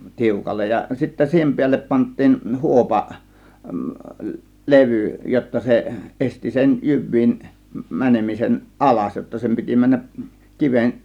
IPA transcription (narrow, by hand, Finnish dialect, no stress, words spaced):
tiukɑlːej jɑ sitːæ siːhem piælːep pɑntˑiːn huopɑ leʋyˑ jotːɑ se ʔesti sen jyʋˑiːn mænemisen ʔɑlɑs jotːɑ sem piti mænːæʔ kiʋen